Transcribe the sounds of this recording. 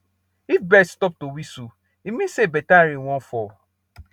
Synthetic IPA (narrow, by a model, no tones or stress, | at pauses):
ifbɛtstɔp̚towisu | imĩsebɛtaɾĩwɔ̃nfɔ